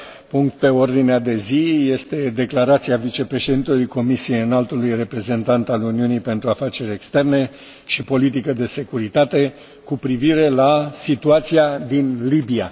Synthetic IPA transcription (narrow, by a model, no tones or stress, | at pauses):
puŋk̚t̪̚pe̞o̞rd̪inead̪e̞zije̞st̪e̞d̪e̞klaɾat̪siavit͡ʃe̞pɾe̞ʃe̞d̪int̪elujko̞misie̞jɨnalt̪ulujre̞pɾe̞ze̞nt̪ant̪aluniunijpe̞nt̪ɾuafat͡ʃe̞ɾʲe̞kst̪e̞rne̞ | ʃipo̞lit̪̬ikəd̪e̞se̞kuɾit̪at̪e̞ | kupɾiviɾe̞lasit̪uat̪siad̪inlibia̰